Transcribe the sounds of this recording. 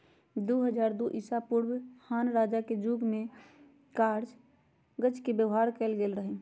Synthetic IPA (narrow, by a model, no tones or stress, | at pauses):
d̪uɦəd͡ʒaːɾd̪uʔisapuɾbhanɾad͡ʒaked͡ʒuɡme | kaɾd͡ʒ | ɡət͡ʃkebjəʋɦaɾkɛlɡelɾəɦɛ